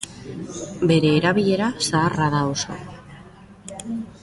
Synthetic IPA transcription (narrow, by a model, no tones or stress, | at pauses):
be̞ɾe̞ːɾaβ̞iʎe̞ɾasaːraðaoso̞̰